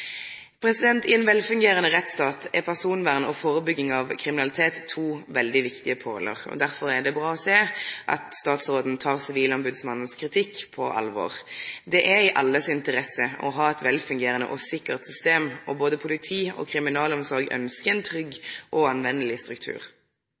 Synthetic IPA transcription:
pʰɾɛsɪd̪ɛnt̪ɪɛnʋɛlfʉŋɡeːʁənəʁɛt̪st̪ɑːt̪ʰɛpʰæʁsuːnʋæːʁnəɔfoːʁəbʏɡːɪŋɑʋkʰʁɪmɪnɑlɪt̪ʰeːt̪ʰːuːʋɛld̪ɪʋɪkt̪ɪəpʰo̰ːlə̰ʁɔ̰d̪æʁfɔɾɛd̪ɛbʁɑːɔseːʔɑ̰t̪st̪ɑːt̪sʁoːd̪n̩t̪ʰɑːʁsɪʋiːlɔmbʉd̪smɑnən̩skʰɾɪt̪ʰɪkːpʰɔʔɑ̰lʋɔ̰ːʁd̪ɛʔɛɾɪʔɑlːəsɪnt̪əʁɛsəɔ̰ɦɑːɛt̪ʋɛlfʉŋɡeːʁənə̰ʔɔsɪkːəʁt̪sʏst̪eːmɔboːd̪əpʰʊlɪt̪ʰiːɔ̰kʰʁɪmɪnɑːlɔmsɔʁɡœ̰nskəɛnt̪ʰʁʏɡːʔɔɑnʋɛnːəlɪst̪ɾʉk̚t̪ʰʉ̰ːʁ

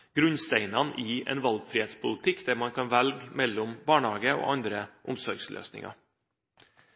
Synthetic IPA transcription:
ɡ̥ɾʉnst̪æɪnɑnʔiːɛ̰ːnʋɑlɡfɾiːeːt̪spʰʊlət̪ʰɪkːd̪̥æɾmɑnkʰɑnʋælɡmɛlːɔmbɑːɳhɑːɡəo̰ːʔɑnd̪ɾəʔʊmsɔɾɡslʔø̰ːsnɪ̰ŋɑ̰

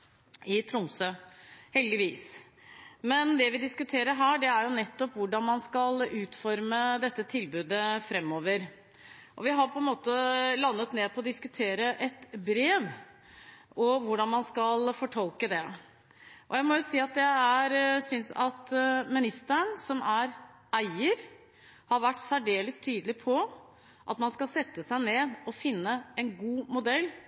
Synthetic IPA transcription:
ɪt̪ʰɾʊmsøːhɛld̪ɪʋiːs | mɛnd̪ɛʋɪd̪ɪskʉt̪ʰeːɾəɾɦæːɖɛæɾjʊnɛt̪ːɔpʋʊɖɑnmɑnskɑlʉːt̪fɔɾməd̪ɛt̪ːət̪ʰɪlbʉːd̪əfɾɛmːoːʋəɾ | ʔɔ̰ʋɪɦɑɾpʰɔɛnmoːt̪əlɑnːət̪neːd̪̚pʰɔːd̪ɪskʉt̪ʰeːɾəʔɛt̪bɾeːʋ | ɔʋʊɖɑnmɑnskɑlfɔʈʰɔlkəd̪ɛ | ʔɔjæɪmɔjʊsiːɑt̪̚d̪ɛæɾsʏnsɑt̪mɪnɪst̪əɾəɳsɔmæɾ | æɪəɾ | hɑɾʋæʈːsæɖeːləst̪ʰyːd̪əlɪpʰɔ | ʔɑt̪mɑnskɑlsɛt̪ːəsæɪneːd̪ɔfɪnːəɛnɡuːmʊd̪ɛlː

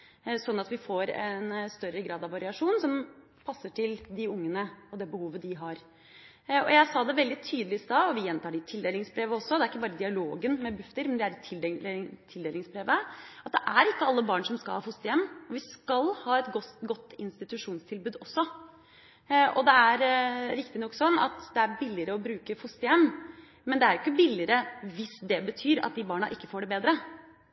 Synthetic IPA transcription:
sɔnːɑt̪ʋɪfoɾɛ̰nst̪œɾəɡɾɑːd̪ɑʋɑɾɪɑʂuːnsɔm | pʰɑsːəʈʰɪld̪ɪʊŋːənəɔd̪ɛbəhuːʋəd̪ɪɦɑɾ | ɔjæɪsɑːd̪ɛʋɛld̪ɪt̪ʰyːd̪əlɪsɑːɔʋɪjɛnt̪ʰɑːɖɪt̪ʰɪld̪eːlɪŋsbɾeːʋəɔsːɔd̪ɛɾɪkːəbɑːɾəd̪ɪɑloːɡənmɛbʉft̪əɾmɛnd̪ɛæɖt̪ʰɪlt̪ʰɪld̪eːlɪŋsbɾeːʋəɑt̪̚d̪ɛʔæɾɪkːəɑlːəbɑːɳʂɔmskɑlhɑːfʊst̪əjɛmːɔʋɪskɑlhɑːɛt̪ɡɔɡɔt̪ːɪnst̪ɪt̪ʉʂuːnst̪ʰɪlbʉːd̪ɔsːɔ | ʔɔ̰d̪ɛæɾɾɪkt̪ɪnɔkːsɔnːɑ̰t̪d̪ɛæɾbɪlːɪəɾəɔbɾʉːkəfʊst̪əjɛmː | mɛnd̪ɛæɾjʊkːəbɪlːɪəɾəʋɪsd̪ɛbət̪ʰyːɾɑ̰t̪̚d̪ɪbɑːɳɑ̰ʔɪkːə̥foːɖɛbeːd̪ɾə

